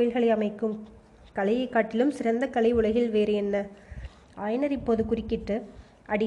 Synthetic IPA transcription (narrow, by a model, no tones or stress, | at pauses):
jɪlɣɐɭɐɪɐmɐɪkːɯm | kɐlɐjɐɪkːaːʈːɪlɯmsɪrɐnd̪ɐkɐlɐɪʊɭɐɣɪlʋeːɾɯɛnːɐ | aːjnɐɾɪpːoːðɯkʊrɪkːɪʈːɯ | ʔɐɽɪ